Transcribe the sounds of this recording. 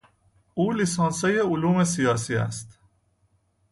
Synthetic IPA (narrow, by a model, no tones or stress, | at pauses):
ʔuːlisɒːnsejeoluːmes̬ijɒːsiːæ̰st̪